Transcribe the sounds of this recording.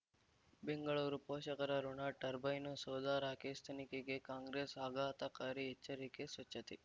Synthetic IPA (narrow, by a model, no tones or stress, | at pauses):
beŋɡɐɭuːɾupoːʃɐkɐɾɐɾuɳaːʈɐɾbɐjnusoːd̪aːɾaːkeːst̪ʰɐnikeɡekaːŋɡɾeːsaːɡaːt̪ɐkaːɾiɛt͡ʃːɐɾikesʋɐt͡ʃːɐt̪i